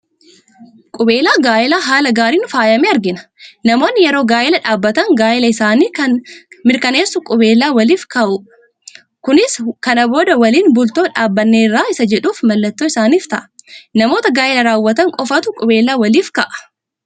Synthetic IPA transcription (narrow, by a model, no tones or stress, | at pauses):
kʼʊbe̞ːlaːɡaːʔɪlaːɦaːlɐɡaːɾiːnʊfaːjɐmeːɐɾɡɪnɐ̥nɐmo̞ːnːɪjɛɾo̞ːɡaːʔɪlɐᶑaːbːɐt̪ɐŋɡaːʔɪlɐɪsaːniːkɐnmɪɾkɐne̞ːsːʊkʼʊbeːlːaːwɐliːfkɐʔʊ | kʊnɪskɐnɐbo̞ːd̪ɐwɐliːnbʊlt̪oːᶑaːbːɐnːeːrːaːɪsɐd͡ʒɛᶑuːfmɐlːɐt̪ːoːɪsaːniːft̪ɐʔɐ̥nɐmo̞ːt̪ɐɡaːʔɛlɐɾaːwːɐt̪ɐŋkʼɔfɐt̪ʊkʼʊbe̞ːlːaːwɐliːfkɐʔɐ̥